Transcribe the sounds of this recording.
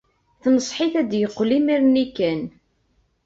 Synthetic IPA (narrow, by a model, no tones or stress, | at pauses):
θnəsˤħiθæd̪jəqːlimiɾnikːæn